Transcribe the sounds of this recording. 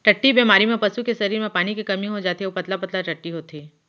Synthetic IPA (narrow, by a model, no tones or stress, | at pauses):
ʈɐʈːibiːmaːɾimẽpɐsukesɐɾiːɾmẽpaːnikikɐmĩɦod͡ʒaːt̪ioːpɐt̪lapɐt̪laʈɐʈːiɦoːt̪ʰiː